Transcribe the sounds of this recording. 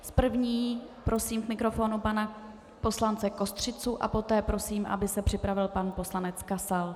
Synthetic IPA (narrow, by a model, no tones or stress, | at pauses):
spr̩vɲiːpɾʔo̞siːmkmɪkɾo̞fo̞nupana | po̞slant͡sɛko̞st̪r̝̥ɪt͡suʔa̰po̞t̪ɛːpɾo̞siːmʔa̰bɪsɛpr̝̥ɪpɾavɪlpanpo̞slanɛt͡skasal